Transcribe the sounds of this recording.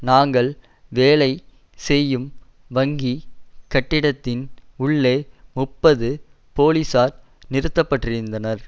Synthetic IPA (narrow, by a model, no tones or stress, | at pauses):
naːŋɡɐɭ | ʋeːɭɐɪ | sɛjːɯm | ʋɐŋɡikɐʈːɪɽɐt̪ːɪnʊɭːeːmʊpːɐðɯ | poːliːsaːɾ | nɪɾɯt̪ːɐpːɐʈːrɪɾɯnd̪ɐnɐɾ